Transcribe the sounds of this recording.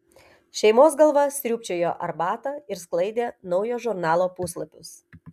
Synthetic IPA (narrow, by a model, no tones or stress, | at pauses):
ʃʲɛɪmoːsɡɐlˠʋɐsʲt̪ɾʲuːpʲt͡ʃʲoːjoːʔɐɾbɑːt̪ɐɪɾsklˠɐɪd̪ʲeːnɒʊjoːʒʊɾnɑːlˠoːpʊslˠɐpʲʊs